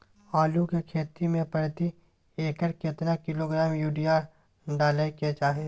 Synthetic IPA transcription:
aːlukekʰeːt̪imẽpɐɽt̪i | eːkəɾkɪt̪nakɪloːɡɾaːmjuːɖijaːɾ | ɖaːlaeket͡ʃaːɦieː

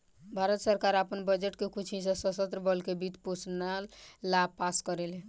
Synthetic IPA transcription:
bʱaɾət̪səɾkaɾapənbəd͡ʒeʈkekut͡ʃʰisə̃səsət̪ɾəbəlkebit̪posnalːab̚paskəɾelɛ̃

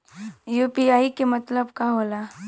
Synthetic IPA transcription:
juːpiaːikemɐt̪ləbkaɦoːlaː

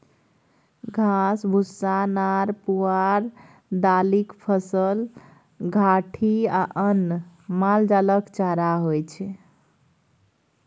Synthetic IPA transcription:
ɡʱasbʱusːanaɾpuaɾ | d̪alikpʰəsəl | ɡʱaʈʰiaʔənː | mald͡ʒaləkt͡ʃaɾaɦojt͡ʃʰɛ

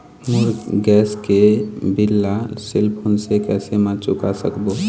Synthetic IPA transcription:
mʊɾɡɛːskebɪlːasɪlpʰʊnsekɛːsemə̃ɾt͡ʃʊkasə̰kbo

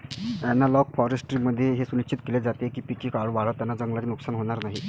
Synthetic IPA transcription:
ɛnːalɔkfɔɾesʈɾiməd̪ʱːjeɦesunit͡ɕit̪keled͡zat̪ekiːpikikaɭʋaɭ̤ət̪janːad͡zəŋɡlat͡ɕinuksanɦoɽ̃aɾnaɦi

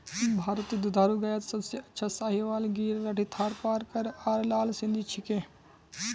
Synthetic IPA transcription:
bʱaːɾət̪id̪ʊd̪ʱaːɾuɡaːjət̪sɐbseɐtːʃʰasaːɦiʋaːlɡiːɾɾaʈit̪ʰaːɾpaːɾkɐɾaːɾlaːlsɪ̃nd̪ʱit͡ʃʰɪkeː

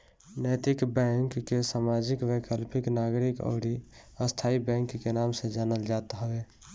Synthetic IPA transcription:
nɛt̪ɪkbɛŋkːesamad͡ʒikwekəlpɪknaɡɾikɔ̰ɾi | əst̪ʰaibɛ̃ŋkːenamsẽd͡ʒaːnəld͡ʒat̪ɦəwe

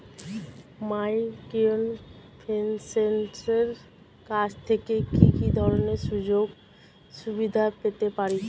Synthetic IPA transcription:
majkionpʰensenʈeɾ | kad͡ʑʰt̪ʰekekikid̪ʱɔɾoneɾʃud͡ʑoɡ | ʃubid̪ʱapet̪epaɾi

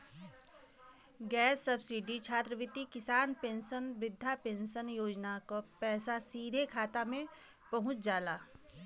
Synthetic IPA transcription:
ɡɛːsːəbsiːɖit͡ʃʰaːt̪ɾəʋɪt̪ikɪsaːnpẽːnʃənʋɪd̪ʱːapẽːnʃənjoːd͡ʒnakopɛːsasiːd̪ʱekʰaːt̪amẽ | pɐɦʊ̃t͡ʃd͡ʒaːlaː

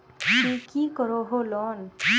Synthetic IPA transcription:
tikikɔɹɔɦolɔn

